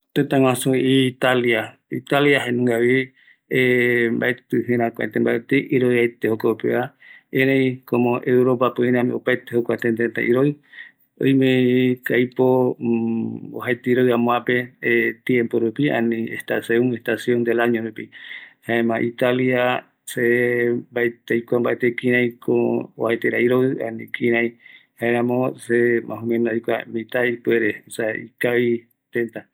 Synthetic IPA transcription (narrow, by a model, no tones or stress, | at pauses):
t̪et̪ãŋwãsũit̪alja | it̪aljaɦenũŋɡaβi | emba̰et̪ɨɦẽɾãkʷa̰t̪ẽmba̰et̪eʔiɾojajt̪ehokopḛaeɾeikomõʔewɾopapoĩɾãmḭ̃opajt̪ehokʷat̪end̪et̪ã̰ʔiɾoj | o̰jmẽkajpo | o̰hajt̪iiɾojamõãpet̪jẽmpoɾupiã̰nĩḛst̪aseũŋest̪asjõnd̪elaɲõɾupihaemãʔit̪alia | sebaet̪ajkʷambaet̪ekĩɾ̃ãj̃kʰoohajt̪eɾaiɾoɨa̰nĩkʰĩɾ̃ãj̃haẽɾãmõsemʔã̰ɦũmẽnoajkʷamĩt̪aipweɾesaikaβi | t̪ent̪a